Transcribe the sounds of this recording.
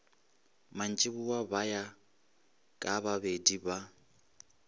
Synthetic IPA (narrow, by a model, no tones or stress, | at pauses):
man̩t͡ʃʼɪβuwabaja | kʼaβaβediba